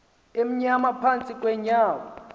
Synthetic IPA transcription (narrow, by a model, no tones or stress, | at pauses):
em̩ɲamapʰant͡sʼikʼwɛɲaːwa